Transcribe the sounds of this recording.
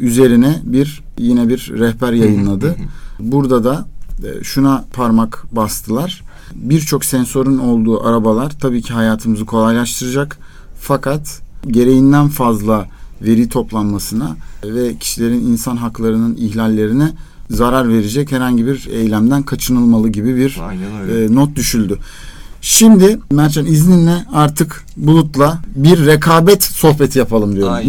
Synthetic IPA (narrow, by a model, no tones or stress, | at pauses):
yze̞ɾinɛbiɾ | jinɛbiɾːɛhbæɾjajɯnlˠad̪ɯbuɾd̪ad̪aʃunapʰaɾmakbast̪ʰɯlˠaɾ̥ | biɾt͡ʃʰo̞ksɛnso̞ɾuno̞lˠd̪uːʔaɾabalˠaɾt̪ʰabiːcʰiɦajaːt̪ʰɯmɯzɯkʰo̞lˠajlˠaʃt̪ʰɯɾɯd͡ʒak | fakʰat̪ɟe̞ɾe̞jind̪ænfazlˠave̞ɾit̪ʰo̞plˠanmasɯnavɛcʰi̥ʃilʲe̞ɾininsanɦaklˠaɾɯnɯniçlʲalʲːe̞ɾinɛ | zaɾaɾve̞ɾed͡ʒɛchɛɾhaɲɟibiɾḛjlʲæmd̪ænkʰat͡ʃʰɯnɯlˠmalˠɯɟibibiɾ | nɔt̪̚d̪yʃylʲd̪y | ʃimd̪ɪmæɾt͡ʃʰanizninlʲɛaɾt̪ʰɯk | bulˠut̪lˠabiɾːekʰaːbɛt̪so̞hpe̞t̪ʰijapʰalˠɯmd̪ijoɾm